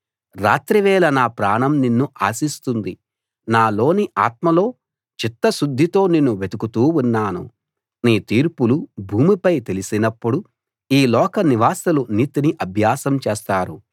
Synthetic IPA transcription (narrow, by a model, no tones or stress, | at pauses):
ɾa̰ːt̪ɾiʋɛːlɐnaːpɾaːɳɐmninːuʔaːsist̪und̪i | naːlo̞ːniʔa̰ːt̪̚mɐlo̞ː | t͡ʃit̪ːɐʃud̪ʱːit̪o̞ːninːuʋe̞d̪ukut̪uːunːaːnṵ | niːt̪iːɾpulubʱuːmipɐjt̪e̞lisinɐpːuɽu | iːlɔːkɐniʋaːsɐlunit̪iniʔɐbʱjaːsɐmt͡ʃeːst̪aːɾu